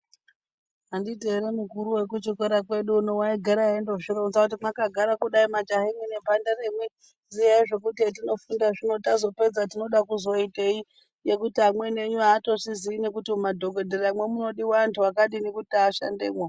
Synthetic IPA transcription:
anditeɾemukuɾuwe̞kut͡ʃikoɾakwe̞ɗunowaiɡʱaɾaendoʐironzakut̬imwakaɡʱaɾakuɗaimat͡ʃaɦemwene̞bʱanderemwe̞ | zijaiʐe̞kutietino̞fundaʐino̞tazo̞pe̞d͡zatino̞ɗakuzo̞itei | je̞kutiɦamwe̞ne̞ɲuaːto̞siziːnekutimadʱo̞ɡo̞dʱeramwe̞muno̞ɗiwantʰuwakaɗinekutaːʃa̰ndeːmwa

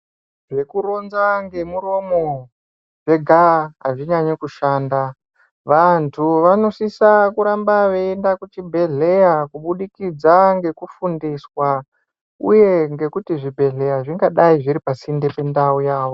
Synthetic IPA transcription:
ʐe̞kuɾo̞nzaŋɡe̞muro̞mo̞ | ʐe̞ɡʱaɦaʐiɲaɲekuʃaːnda | ʋantʰuʋano̞sisakuɾambaʋe̞ːndakut͡ʃibʱe̞ɮe̞jakuɓuɗikid͡zaŋɡe̞kufundiswa | ṵje̞ŋɡe̞kutiʐibʱe̞ɮe̞jaʐiŋɡaɗaiʐiɾipasindepe̞ndaujaːʋo

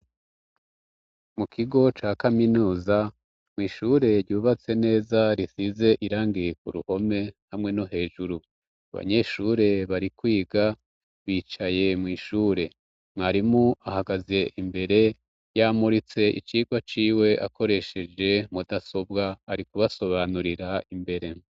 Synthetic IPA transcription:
mukʰiɡo̞t͡ʃaːkaminuːza | mwiːʃuːɾe̞ɾɟuːβat͡se̞ne̞ːzaɾisize̞ʔiɾaːŋɡijekuɾṵho̞me̞hamŋe̞noɦe̞ːʒuɾu | aβa̰ɲe̞ʃuɾe̞βaɾikwiːɡa | βiːt͡ʃaje̞mŋiːʃuːɾe̞ | mŋaɾimuʔahaɡazje̞ʔimbe̞ɾe̞ | jaːmuɾit͡se̞ʔḭt͡ʃiːɡwat͡ʃiːwe̞ʔa̰ko̞ɾe̞ʃe̞d͡ʒe̞mudaso̞bɡaːɾikuβaso̞βanuɾiɾaʔimbe̞ɾe̞

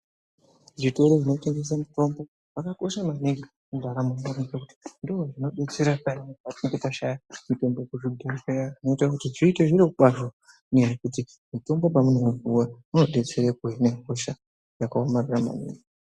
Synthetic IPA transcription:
ʐito̞ɾoʐino̞te̞ŋɡe̞s̬amuto̞mbo̞ | pakako̞ʃamaniŋɡi | kudʱaɾamumorikekuti̥ndowoʐino̞ɗe̞t͡se̞ɾapaɲiatiŋɡetaʃajamuto̞mbokuʐidʱariʃajaino̞itakutiʐiːteʐiɾikuɓaʒo | ɲajakuti | muto̞mbo̞pamunomuvuwamuno̞ɗe̞t͡se̞ɾekoineko̞ʃa | jakaomarurama̰nḭŋɡi

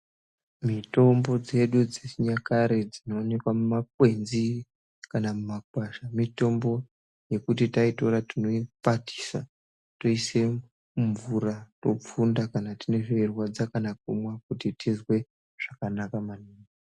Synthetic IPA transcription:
mito̞mbo̞d͡ze̞ɗud͡zesiɲakaɾed͡zino̞ːne̞kwamumak̚we̞nzi | kanamumak̚waʃamito̞mbo̞ | je̞kut̬itaito̞ɾatino̞ipatʰi̥sa | to̞ise | ɱvuɾato̞p͡fundakanatine̞ʐoirwad͡zakanakumwakutitizwe̞ | ʐ̥akanakamanuːŋa

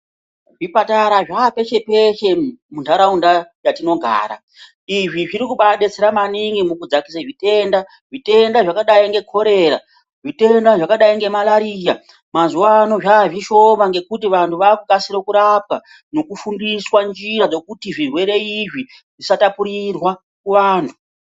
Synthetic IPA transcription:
ʐipataɾaʐape̞ʃe̞pe̞ʃe̞mundaɾaundajatino̞ɡʱa̰ːɾa̰ | iʐiʐiɾikuɓaɗet͡seɾamaniŋɡimukud͡zakisaʐite̞ːnda | ʐite̞ndaʐakaɗaiŋɡe̞kʰo̞ɾe̞ːɾa | ʐite̞ndaʐakaɗaiŋɡe̞malaɾija | mazuwano̞ʐaːʐiʃo̞maŋɡe̞kutiʋantʰuʋaːkukasiɾokuɾap̚ka | no̞kufundiswand͡ʒiɾad͡zo̞kutiʐirwe̞ɾe̞iʐi | ʐisatapuɾirwa | kuʋaːntʰu

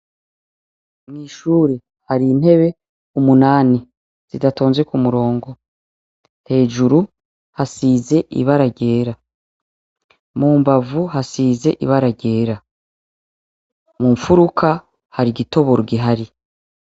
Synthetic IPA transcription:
mŋiːʃuːɾe | haɾiːn̥he̞βe̞ | umunaːni | z̥idato̞ːnzwekumuɾo̞ːŋɡo̞ | he̞ːʒuɾu | hasiːze̞ʔḭβaɾaɟe̞ːɾa | muːmbavuhasiːze̞ʔiβaɾaɟe̞ːɾa | muːɱfuɾukʰa | haɾiɡito̞βo̞ɾɡiɦaɾi

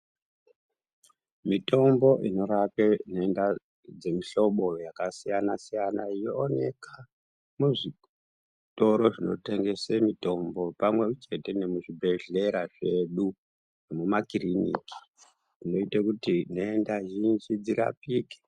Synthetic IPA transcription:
mito̞mbo̞ʔino̞ɾapeneenda | d͡ze̞miɬo̞ɓo̞jakasijanasijanaijoːne̞ka | muʐi | to̞ɾo̞ʐino̞̰te̞ŋɡe̞semito̞mbo̞pamwet͡ʃe̞te̞ne̞muʐibʱe̞ɮe̞ɾaʐe̞ɗu | nemumakirinḭki̥ | ino̞itakutin̤eendaʒind͡ʒid͡ziɾa̰piːke̥

